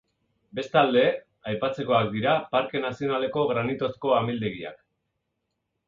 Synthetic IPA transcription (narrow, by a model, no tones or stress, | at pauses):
be̞st̪ald̪e̞ | ajpat͡se̞ko̞ak̚d̪iɾapaɾke̞nasio̞nale̞ko̞ɣɾanit̪o̞sko̞amild̪e̞ɣia̰k